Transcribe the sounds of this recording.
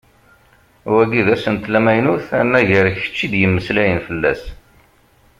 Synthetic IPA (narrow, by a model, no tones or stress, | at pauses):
wæɡiðæsənt̪læmæjnuθænːæʝəɾəçə̥t͡ʃːid̪jəmːəslæjənfəlːæ̰s